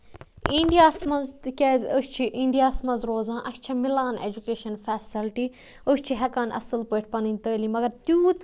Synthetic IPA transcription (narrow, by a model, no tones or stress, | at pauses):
ĩɳɖijaːsmɐzkezəst͡ʃʰiʔĩɳɖijaːsmɐzɾoːzãːʔɐʃt͡ʃʰɐmilaːnḛːd͡ʒukeːʃɐnfɛːsilʈi | əst͡ʃʰiɦɐkaːnʔɐ̰sɨlpəːʈʰʲpɐninʲt̪əːliːmɐɡɐɾt̪juːt̪